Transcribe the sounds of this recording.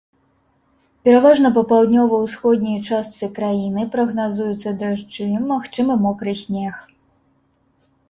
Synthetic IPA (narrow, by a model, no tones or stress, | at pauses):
pʲɛɾavaʐnɐp̬ɐpawd̪ʲnʲɔvɐwsxɔd̪ʲnʲɐjt͡ʂast̪sɨkɾajinɨpɾɐɣnazujut̪sːɐd̪aʂt͡ʂɨmaxt͡ʂɨmɨmɔkɾɨsʲnʲɛx